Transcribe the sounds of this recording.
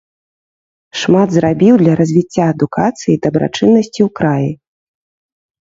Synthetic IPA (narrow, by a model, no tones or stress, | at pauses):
ʂmad̪zrabʲiwd̪lʲɐɾɐzʲvʲit͡sʲːaɐd̪ukat̪sɨjid̪ɐbɾʔa̰t͡ʂɨnːɐsʲt͡sʲiwkɾaji